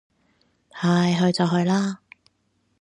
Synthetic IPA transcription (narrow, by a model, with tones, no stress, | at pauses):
tʰaː˨˧jɦɵ˧ɥt͡sɐ˨wɦɵ˧ɥlaː˥